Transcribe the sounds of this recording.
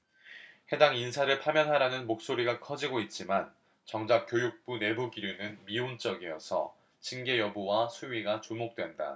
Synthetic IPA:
he̞daŋinsʰaɾɯɭpʰamjʌnɦaɾanɯnmok̚s͈oɾiɡakʰʌd͡ʑiɡoit̚t͡ɕ͈iman | t͡ɕʌŋd͡ʑak͈jojuk̚p͈une̞buɡiɾjunɯnmiunt͡ɕ͈ʌɡijʌsʰʌ̰ | t͡ɕinɡe̞jʌbuwasʰuɥiɡat͡ɕumok̚t͈we̞nda̰

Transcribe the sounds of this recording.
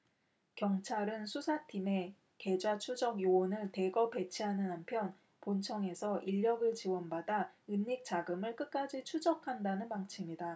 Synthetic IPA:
kjʌŋt͡ɕʰaɾɯnsʰusʰatʰime̞ | ke̞d͡ʑwat͡ɕʰud͡ʑʌɡjowʌnɯɭte̞ɡʌpe̞t͡ɕʰiɦanɯnɦampʰjʌn | pont͡ɕʰʌŋe̞sʰʌʔiʎːʌɡɯɭt͡ɕiwʌnbadaɯnːik̚t͡ɕ͈aɡɯmɯɭk͈ɯk̚k͈ad͡ʑit͡ɕʰud͡ʑʌkʰandanɯnmaŋt͡ɕʰimida

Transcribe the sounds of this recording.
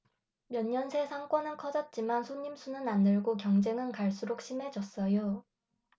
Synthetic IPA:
mjʌɲːʌnsʰe̞sʰaŋk͈wʌnɯnkʰʌd͡ʑʌt̚t͡ɕ͈imansʰoɲːimsʰunɯnandɯɭɡokjʌŋd͡ʑe̞ŋɯnkaɭs͈uɾok̚ɕʰimɦe̞d͡ʑʌs͈ʌjo

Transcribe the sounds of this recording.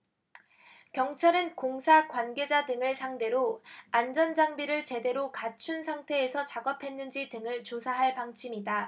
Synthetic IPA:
kjʌŋt͡ɕʰaɾɯnkoŋsʰakwanɡe̞d͡ʑadɯŋɯɭsʰaŋde̞ɾoand͡ʑʌnd͡ʑaŋbiɾɯɭt͡ɕe̞de̞ɾokat͡ɕʰunsʰaŋtʰe̞ːsʰʌt͡ɕaɡʌpʰe̞nːɯnd͡ʑitɯŋɯɭt͡ɕosʰaɦaɭpaŋt͡ɕʰimida

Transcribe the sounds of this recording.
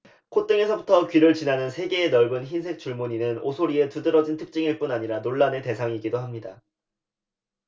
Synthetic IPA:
kʰot͈ɯŋe̞sʰʌbutʰʌkɥiɾɯɭt͡ɕinanɯnsʰe̞ɡe̞ːnʌɭbɯnçinsʰe̞k̚t͡ɕ͈uɭmuɲinɯno̰sʰoɾie̞tudɯɾʌd͡ʑintʰɯk̚t͡ɕ͈iŋiɭp͈unaɲiɾanoɭːane̞te̞sʰaŋiɡidoɦamɲida

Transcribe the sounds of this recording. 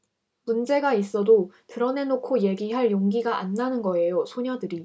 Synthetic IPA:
mund͡ʑe̞ɡais͈ʌdotɯɾʌne̞nokʰoje̞ɡiɦaɭjoŋɡiɡaʔa̰nːanɯnɡʌe̞josʰoɲadɯɾi

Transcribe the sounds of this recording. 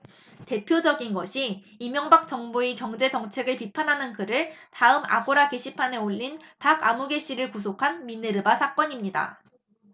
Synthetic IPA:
te̞pʰjod͡ʑʌɡinɡʌɕʰiː | mjʌŋbak̚t͡ɕ͈ʌŋbuekjʌŋd͡ʑe̞d͡ʑʌŋt͡ɕʰe̞ɡɯɭpipʰanɦanɯnkɯɾɯɭtaɯma̰ɡoɾake̞ɕʰipʰane̞oʎːinpaɡamuɡe̞ɕ͈iɾɯɭkus̬ʰokʰanmineɾɯbasʰak͈ʌɲimɲida̰

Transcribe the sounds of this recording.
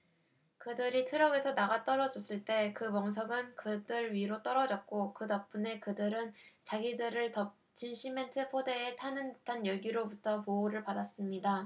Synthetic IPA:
kɯdɯɾitʰɯɾʌɡe̞sʰʌnaɡat͈ʌɾʌd͡ʑʌs͈ɯɭt͈e̞kɯmʌŋs̬ʰʌɡɯnkɯdɯɾɥiɾot͈ʌɾʌd͡ʑʌk̚k͈okɯdʌp̚p͈une̞kɯdɯɾɯnt͡ɕaɡidɯɾɯɭtʌp̚ | t͡ɕinɕʰime̞ntʰɯpʰode̞ːtʰanɯntʰanjʌɭɡiɾobutʰʌpoːɾɯɭpadas͈ɯmɲida

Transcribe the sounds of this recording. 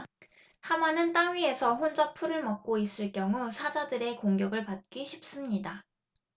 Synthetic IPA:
hamanɯnt͈aŋɥie̞sʰʌɸond͡ʑʌpʰuɾɯɭmʌk̚k͈ois͈ɯɭk͈jʌŋusʰad͡ʑadɯɾe̞koŋɡjʌɡɯɭpat̚k͈iɕʰip̚s͈ɯmɲida

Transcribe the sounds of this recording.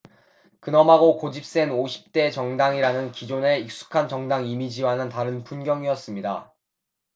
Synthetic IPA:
kɯnʌmɦaɡokod͡ʑip̚s͈e̞noɕʰi̥p̚t͈e̞t͡ɕʌŋdaŋiɾanɯnkid͡ʑone̞ik̚s͈u̥kʰant͡ɕʌŋdaŋimid͡ʑiwaɦnɯntaɾɯnpunɡjʌŋiʌs͈ɯmɲida

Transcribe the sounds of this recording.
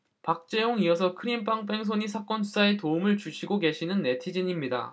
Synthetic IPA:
pak̚t͡ɕ͈e̞joŋiʌsʰʌkʰɯɾimpaŋp͈e̞ŋs̬ʰoɲisʰak͈wʌnsusʰae̞toumɯɭt͡ɕuɕʰiɡoke̞ɕʰinɯnːe̞tʰid͡ʑiɲimɲida̰

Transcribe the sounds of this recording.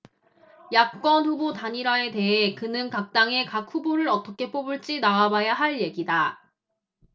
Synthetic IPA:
jak̚k͈ʌnɸubotaɲiɾae̞te̞ɦe̞kɯnɯnkak̚t͈aŋe̞kak̚ʰuboɾɯɾʌt͈ʌkʰe̞p͈obuɭt͡ɕ͈inaabajaɦaɭje̞ɡida

